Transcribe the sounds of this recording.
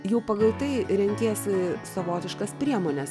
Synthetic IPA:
jɛʊpɐɡɐlˠt̪ɐɪɾʲɛŋʲkʲeːsʲɪsoʋoːt̪ʲɪʃkɐspʲɾʲiɛmoːnʲɛs

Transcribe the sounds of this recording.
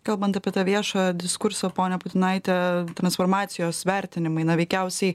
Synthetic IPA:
kɐlˠbɐnt̪ɐpʲiɛt̪ɑʋʲiɛʃoːjd̪ʲɪskʊɾsoːpoːnʲɛbʊt̪ʲɪnɐɪt̪ʲɛt̪ɾɐnsfoːɾmɑːt̪sʲɪjoːsʋʲæɾʲt̪ʲɪnʲɪmɐɪnɐʋʲɛɪkʲæʊsʲɛɪ

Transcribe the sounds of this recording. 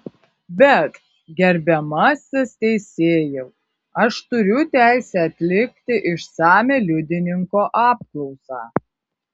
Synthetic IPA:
bʲɛt̪ | ɡʲɛɾʲbʲɛmɐsʲɪst̪ʲɛɪsʲeːjɛ | ɐʃt̪ʊɾʲʊt̪ʲæˑɪsʲæɐt̪ʲlʲɪkʲt̪ʲɪʔɪʃsɑːmʲeːlʲʊd̪ʲɪnʲɪŋkoːʔɑːp̚klˠɔʊsɑ̰ː

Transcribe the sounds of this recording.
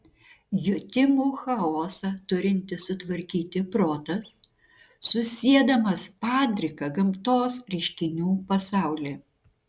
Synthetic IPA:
jʊt̪ʲɪmuːxɐoːsɐt̪ʊɾʲɪnʲt̪ʲɪsʊt̪ʋɐɾʲkʲiːt̪ʲɪpɾoːt̪ɐsː | ʊsʲiɛd̪ɐmɐspɑːd̪ʲɾʲɪkɐɡɐmt̪oːsɾʲɛɪʃʲkʲɪnʲuːpɐsɑˑʊlʲeː

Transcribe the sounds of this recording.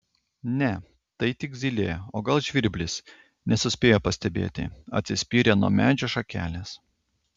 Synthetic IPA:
nʲɛ | t̪ɐɪt̪ʲɪɡzʲilʲeːjoːɡɐlˠʒʲʋʲɪɾʲbʲlʲɪs | nʲɛsʊsʲpʲeːjoːpɐsʲt̪ʲɛbʲḛːt̪ʲɪ̰ɐ̰t̪ʲsʲɪsʲpʲiːɾʲeːnṵɔmʲæːd͡ʒʲoːʃɐkʲæ̰ːlʲeːs

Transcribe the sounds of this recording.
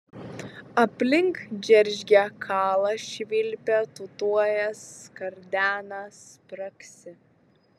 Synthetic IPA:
ɐpʲlʲɪŋkd͡ʒʲɛɾʲʒʲɡʲɛkʰɑːlˠɐʃʲʋʲɪlʲpʲɛt̪ʊt̪uɔjɛskɐɾʲd̪ʲæːnɐspɾɐksʲɪ

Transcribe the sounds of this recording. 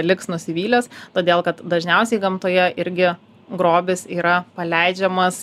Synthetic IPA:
lʲɪksnʊsʲɪʋʲiːlʲɛst̪oːd̪ʲeːlˠkɐt̪d̪ɐʒʲnʲɛʊsʲɛɪɡɐmt̪oːjɛʔɪɾʲɡʲɪ | ɡɾoːbʲɪsiːɾɐpɐlʲɛɪd͡ʒʲɛmɐs

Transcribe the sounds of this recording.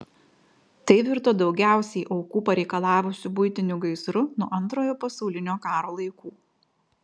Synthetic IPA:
t̪ɐɪʋʲɪɾt̪oːd̪ɒʊɡʲæˑʊsʲɛɪʔɐʊkuːpɐɾʲɛɪkɐlˠɑːʋʊsʲʊbʊjt̪ʲɪnʲʊɡɐɪsɾʊnʊʔɐnˑt̪ɾoːjoːpɐsɔʊlʲɪnʲoːkɑːɾoːlˠɐɪkuː

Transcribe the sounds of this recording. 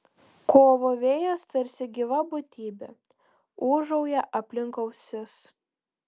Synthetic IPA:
koːʋoːʋʲeːjɛst̪ɐɾʲsʲɪɡʲiʋɐbʊt̪ʲiːbʲe | uːʒɐʊjɛʔɐpʲlʲɪŋkɐʊsʲɪs

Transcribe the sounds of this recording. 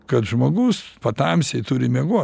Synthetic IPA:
kɐt̪ʒmoːɡʊspɐt̪ɐmʲsʲɛɪt̪ʊɾʲɪmʲɛɡuɔ

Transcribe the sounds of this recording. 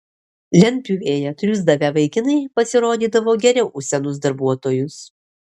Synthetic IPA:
lʲɛnʲpʲuːeːjɛt̪ʲɾʲʊzd̪ɐʋʲɛʋɐɪkʲɪnɐɪpɐsʲɪɾoːd̪ʲiːd̪ɐʋoːɡʲɛɾʲɛʊʔʊʃʲsʲɛnʊs̬d̪ɐɾbuɔt̪oːjʊs

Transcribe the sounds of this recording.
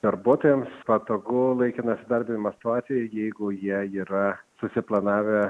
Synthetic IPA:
d̪̥ɐɾbuɔt̪oːjɛmspɐt̪oːɡʊlˠɐɪkʲɪnɐsʲɪd̪ɐɾʲbʲɪnʲɪmɐsʲɪ̥t̪ʊɑːt̪sʲɪjɛjɛɪɡʊjiɛiːɾɐsʊsʲɪplˠɐnɑːʋʲɛ

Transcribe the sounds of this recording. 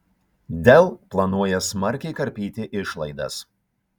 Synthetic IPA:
d̪ʲɛlˠplˠɐnuɔjɛsmɐɾʲkʲɛɪkɐɾʲpʲiːt̪ʲɪʔɪʃlˠɐɪd̪ɐ̰s

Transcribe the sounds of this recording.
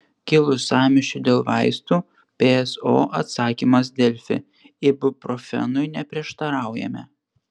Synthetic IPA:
kʲɪlˠʊsɑːmʲɪʃʲʊd̪ʲeːlˠʋɑ̰ɪst̪uː | pʲeɛsoːʔɐt̪sɑːkʲimɐs̬d̪ʲɛlʲfʲɪ̰ | ɪbʊpɾɔfʲɛ̰nʊɪnʲɛpʲɾʲiɛʃt̪ɐɾɑˑʊjɛ̰mʲɛ̰

